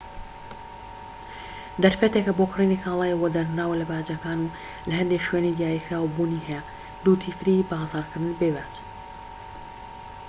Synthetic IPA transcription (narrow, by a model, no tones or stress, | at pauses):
d̪ɐɾfɛt̪ekɐboːkriːnixʰaːlˠɑːjwɐd̪ɐɾnaːwɐlɐbaːd͡ʒɐkaːnu | lɐɦɐnd̪eʃɥenid̪jaːjixɾaːwbuniɦɛjɛ | d̪uːt̪ʰifɾibazɑːɾkʰɨɾd̪ɨnbebaːt͡ʃ